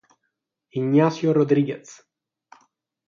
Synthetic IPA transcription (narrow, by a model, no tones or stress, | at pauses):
iɲːasjoɾod̪ɾiɡet̪s